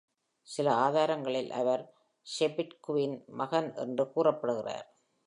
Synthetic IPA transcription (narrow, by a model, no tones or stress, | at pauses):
sɪlɐaːðaːɾɐŋɡɐɭɪlʔɐ̰ʋɐɾ | ʃepːɪʈkʊʋɪnmɐɣɐnʔɛ̰ndrɯkuːrɐpːɐɽɯɣɪra̰ːɾ